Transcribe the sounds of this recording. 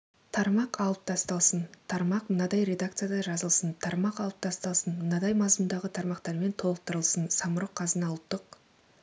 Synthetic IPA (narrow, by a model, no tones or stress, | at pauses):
t̪ʰɑɾmɑqɑlˠəp̚t̪ʰɑst̪ɑlˠsənt̪ʰɑɾmɑqmənɑd̪ɑjɾe̞d̪ak̚t̪sɨjad̪ɑʒɑzəlˠsənt̪ʰɑɾmɑqɑlˠəp̚t̪ʰɑst̪ɑlˠsənmənɑd̪ɑjmɑzməmd̪ɑʁət̪ʰɑɾmɑqt̪ɑɾme̞nt̪ʰo̞lˠəq̚t̪əɾəlˠsənsɑməɾoqʰːɑzənɑlˠt̪ːəq